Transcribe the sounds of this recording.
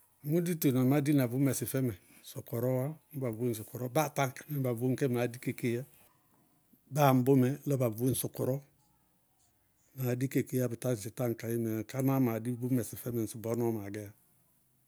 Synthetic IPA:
mu˦di˦tu˨no˨ma˦di˦na˨bu˦me˨si˨fɛ˦mɛ˨su˨ko˨ɾo˦wa˦m˦ba˨vu˦n̩˨s̬u˨ku˨ɾo˦ba˦˨ta˦ŋkḁ˨mi˦m˦ba˨vu˦ŋke˦ma˨di˦ke˨ke˦ja˦ | ba˦˨m˨˦bu˦mɛ˦lo˦ba˨vu˦n̩˦su˨ku˨ɾɔ˦ | ma˨di˦ke˨ke˦ja˦bi˨ta˦˨si˨ta˦ŋka˨ji˦me˨ka˦na˦ma˨di˦bu˦me˨si˨fɛ˦mɛ˨n̩˨su˨bo˦n˦o˦ma˨ɡe˦ja˦

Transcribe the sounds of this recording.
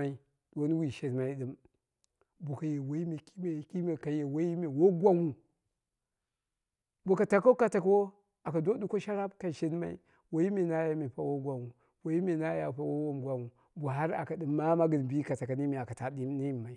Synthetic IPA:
a˦i˦ | dwo˦n˦wi˨ʃe˨n˦ma˦i˦ɗɨ˦m | bu˨ka˨je˨wo˦i˦me˨ki˦me˨ki˦me˨ka˨je˨wo˦i˦me˨wo˦ɡʷa˦wu˨ | bu˨ka˨ta˨ko˦ka˨ta˨ka˦wo˦ | a˨ka˨do˦du˦ko˦ʃa˦ɾa˦bka˨ʃe˦n˦ma̰˦ḭ˦ | wo˦i˦mi˨na˦ja˦mi˨pa˦wo˦ɡʷa˨wu˨ | wo˨ji˦me˨na˦ja˨pa˦wo˦wo˦mɡʷa˨wu˨ | bu˨ɦa˦ɾa̰˨ka˨dɨ˨mːa˦ma˦ɡɨ˨nbi˦ka˨ta˨ka˨ni˦mi˨a˨ka˨ta˨di˦ni˦˨ma˨i˦

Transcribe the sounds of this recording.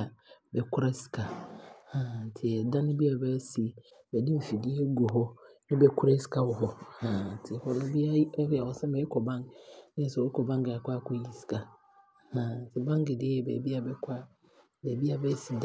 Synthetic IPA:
a˨bɛ˨kʰʊ˦ɾa˦si̥˨kʰa˨hã˨tʰɪ˨ɛ˨dã˦nɪ̃˦bi˦a˨bɛ˦si˨ | bɛ˨dɪ˦m̩˨fi˨di˦e˦ɡo˨ɦɔ˦nɪ̃˦bɛ˨kʰʊ˦ɾe˦si̥˨kʰa˦wɔ˨ɦɔ˨hã˨tʰɪ˨hɔ˨nʊ̃˦bi˦a˦a˨ɔ˨sɛ̃˦bɛ˨ɛ˦kʰɔ˨bã˦ŋnɪ̃˦sɔ˨˦kʰɔ˨bã˦ŋɡɪ˨a˨kʷa˦˨kʰo˦ji˨si̥˨kʰa˨ | hã˨tʰɪ˨bã˦ŋ˦ɡɪ˨dɪ˦ɛ˨bɛ̰˨bi˦a˨bɛ˨kʷʰa˦ | bɛ˨bi˦a˨bɛ˦si˨d

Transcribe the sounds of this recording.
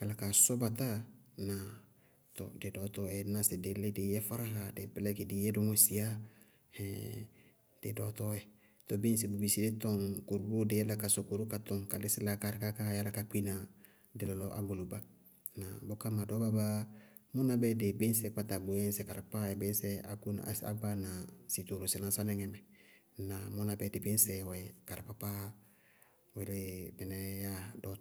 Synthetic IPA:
ka˨la˨ka˨sɔ˦ba˨ta˦na˨ | tɔ̰˨de˨dɔ˨˦tɔ˦ɛ˨na˨sɪ˨de˨le˦de˨jɛ˦fa˦ɾa˦ɦa˨de˨pɪ˦lɛ˦ke˨di˨˦jɛ˦do˦ŋo˦si˨a˦ | ɛ˨ | d̥e˨dɔ˨tɔ˦ɛ˦ | to˨be˦n˦s̬e˨bu˨bi˨si˦de˦tɔ˦˨ŋko˨ɾu˨˦bu˦de˨jɛ˦la˦ka˨so˨ko˨ɾu˦ka˨tɔ˨ŋka˨lɪ˦sɪ˦la˦ka˦ɾɪ˨˦ka˦ka˦ja˦la˦ka˨k͡pi˦na˨ | dɪ˨lɔ˨lɔ˦ʔa̰˦ɡo˨lo˨ba˦ | na˨bo˦ka˦ma˨dɔ˦ba˦ba˦ | mʊ˦na˨˦bɛ˦de˨bɪ˦n˦sɛ˨k͡pa˦ta˨bu˨ɛ˦n˦sɛ˨ka˨ɾa˨pa˦ɛ˨be˦n˦sɛ˦a̰˨ku˦n̰˨a̰˦ba˦na˨si˨t̪o˨ɾo˨sɪ˨na˨˦sa˦nɛ˦ŋɛ˨mɛ˨ | na˨mo˦na˨bɛ˦dɪ˨bɪ˦n˦sɛ˨wɛ˨ka˨ɾa˨pa˦pa˦ | wɛ˨de˦bɛ˨nɛ˦ja˦dɔ˦

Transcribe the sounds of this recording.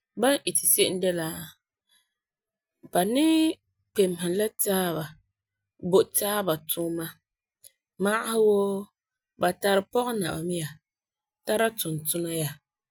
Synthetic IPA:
ba˦nʔɪ˨tɪ˨se˦ʔɪ˦dɛ˦la˨ | b̥a˨nɪ˦ | k͡pe˨m˨hɪ˨la˦taː˦βa˨ | bo˨ʔtaː˦ba˨tʰʊ˦ma˦ | ma˦ʔa˦hɪ˦wo˦ | ba˨ta˨ɾɪ˨pɔ˦ɣɛ˦na̰˨ba˨mɪ˦ja˨ | ta˦ɾa˦tʊ˨n˨tʊ˦na˦ja˨

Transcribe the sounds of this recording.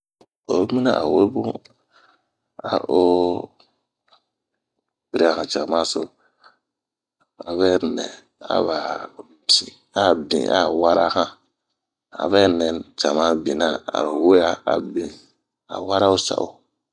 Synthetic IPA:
o˨˦mi˦na˦˨ʔa̰˨we˦bu˦ | a˨ʔo˦ | bi˨ɾi˦a˦˨hã˨t͡ʃa˨ma˦so˦ | a˨βɛ˦nɛ˨ | a̰˨βa˨ | bi˨ | a˦˨bḭ̃˨ʔa̰˦˨wa˦ɾa˦hã˦ | a̰˨βɛ˦nɛ˨nt͡ʃa˨ma˦bi˨na˦a̰˨ɾu˨we˦a˦a̰˨bi˨ | a̰˨wa˦ɾa˦o˦sa̰˨ʔo˦˨

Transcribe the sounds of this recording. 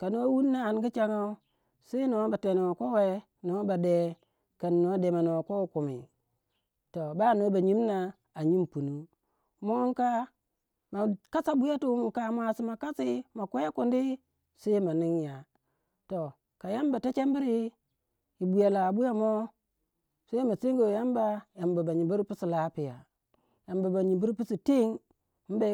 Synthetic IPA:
ka˨no˦wu˦nːa˦a˨n˦ɡi˦t͡ʃa˦ŋa˦u˦ | se˦no˨˦ba˨te˨no˨a˨ko˦we˦ | no˨˦ba˨de˨ | ka˨nːo˨˦de˨ma˨no˨ko˦ku˨mḭ˨ | to˨ba˦˨no˦ba˨ɲi˦mna˦ | a˨ɲi˦mpu˨nu˦ | mo˦ŋ˦ka˦ | ma˨ka˦sa˦bu˦ja˦tu˦mu˨ka˨mʷ˦a˨si˦ma˨ka˦si˦ma˨ku˦ja˦ku˨ndi˦ | se˦i˦ma˨ni˦ŋja˨ | to˨ | ka˨ja˦mba˨ta˦t͡ʃe˦m˦bi˦ɾi˦ | ji˨bu˨ja˨la˨bu˦ja˦mo˦ | sa˦i˦ma˨si˦ŋɡo˨ja˦mba˦ja˨mba˨ba˨ɲi˨bu˦ɾpi˦si˨la˦pi˨ja˨ | ja˨mba˨ba˨ɲi˨bu˦ɾpi˦si˨ti˦ŋ˦ | m̩˦ba˨˦

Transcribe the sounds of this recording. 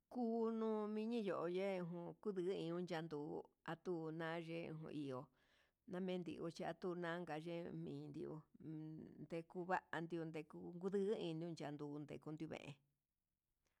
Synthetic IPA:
kuː˦nũː˦mĩ˧ɲĩ˦jo˨ʔo˧je˦ũ˧ɦũ˧ku˦ðɨ˧˦ĩ˧ũ˦˧nd͡ʒa˧nd̪uː˨˦a˧t̪u˦˧nã˦ʐḛ̃˦˧˨ɦṵ̃˧ʔi˨o˧ | nã˦mẽ˦nd̪ḭ˧ʔu˧t͡ʃi˧a˧t̪u˦˧nã˦ŋɡa˨˧ʐe˦mĩː˨˧nd̪ḭ˧ʔṵ˧ | nd̪e˧ku˧βa˦ʔa˧nd̪i˧u˧nd̪e˧ku˧ŋɡu˦ðɨ˦ʔĩː˧nd̪i˦ũ˧nd͡ʒa˨˧nd̪uː˨˧nd̪ḛ˨ku˧nd̪u˧βḛ̃˨ʔḛ̃˧

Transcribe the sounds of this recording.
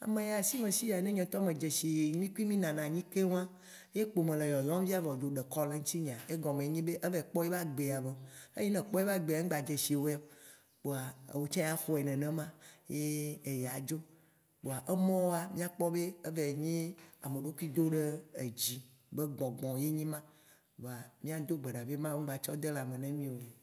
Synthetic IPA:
a̰˨mẽ˨ja˨si˦mẽ˨si˦ja˨nẽ˦ɲɛ̃˨t̪ɔ˦mẽ˨d͡ʒe˨si˨˦mĩ˦ku˦i˦mĩ˦nã˨nã˨ɲĩ˦ke˦wã˦ | je˦k͡po˨mẽ˨le˨jɔ˨lɔ̃˦m˦vi˦a˦vɔ˨d͡ʒo˨ɖe˨kɔ˦le˦ŋ̩˦t̪i˦ɲ˨ã˨e˦ɡɔ̃˨mẽ˨˦ɲĩ˦be˦ʔe˦vɛ˨k͡pɔ˦je˦va˦ɡ͡be˨a˨ve˨e˦i˦nɛ̃˨k͡pɔ˦je˦va˦ɡ͡be˨a˨˦ŋ̩˦ɡ͡ba˨d͡ʒe˨ʃi˨wo˦ɛ˦ | k͡po˨a˨wo˨t͡ʃã˦ja˦fo˦ɛ˨nɛ̃˨nɛ̃˦mã˦je˦e˨ja˨d͡ʒo˦ | k͡po˨a˨ʔe˦mɔ̃˦wo˦a˨mĩ˦a˦k͡pɔ˦be˦e˦ve˨ɲĩ˦a˨me˨ɖo˦kʷi˦d̪o˦ɖe˦e˨d͡ʑi˨ | be˦ɡ͡bɔ̃˨ɡ͡bɔ̃˨je˦ɲĩ˦mã˦ | ɡ͡bo˨a˨mĩ˦a˦d̪o˦ɡ͡be˨ɖa˨ve˦mã˦wũ˦va˨t͡ʃɔ˦d̪e˦la˨mẽ˨nɛ̃˦mĩ˦o˨e˨

